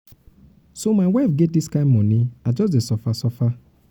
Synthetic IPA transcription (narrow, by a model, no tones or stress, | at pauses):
somaɪwafɡet̚diskãmmɔ̃niad͡ʒɔs̬desɔfasɔfa